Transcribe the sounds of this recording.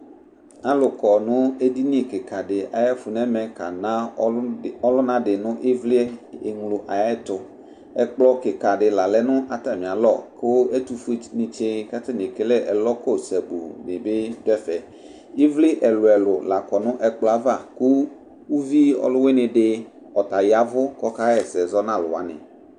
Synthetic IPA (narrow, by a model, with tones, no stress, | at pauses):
a˨lʊ˨kɔ˨nʊ̃˦e˦di˦nĩ˦e˨kɪ˨ka˨ɖɪ˨a˨ja˦fu˨nɛ̃˦mɛ̃˨ka̰˨nã˦ | ɔ˦lʊ˦nã˦ɖɪ˨nʊ̃˦ʔi˦vli˦e˨ŋlʊ˨ʔa˨ja˦ɛ˦t̪ʊ˨ | ɛ˦k͡plɔ˦kɪ˨ka˨ɖɪ˨la˨lɛ˦nʊ̃˦ʔa˨t̪a˨mĩ˨a˨lɔ˦˨ke˦wo˦e˦t̪u˨fu˦nĩ˨t͡ʃe˦ka˦t̪e˦n˨e˨ke˦lɛ˦ʔɛ˨lɔ˦ko˦˨sɛ˨bṵ˨mɪ̃˨be˦dɛ˦fɛ˨ | i˦vli˦ʔɛ˨lʊ˨ɛ˨lʊ˨la˨kɔ˨nʊ̃˦ʔɛ˨k͡plɔ˦a˦va˦˨ku˦ | wu˦vi˦ɔ̰˦lʊ˦we˦nɪ̃˨ɖɪ˦ | ɔ˨t̪a˨ja˨vʊ˦kɔ˦ka˦ɣɛ˨sɛ˨zɔ˦nã˦˨lʊ̰˨wa̰˨˦nɪ̰̃˨